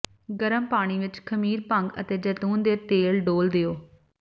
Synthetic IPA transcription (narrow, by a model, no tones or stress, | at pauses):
ɡəɾəmpaːɽ̃iːʋɪt͡ʃkʰəmiːɾpə̃ŋɡə̰t̪eːd͡ʒət̪uːnd̪eːt̪eːlɖoːld̪eoː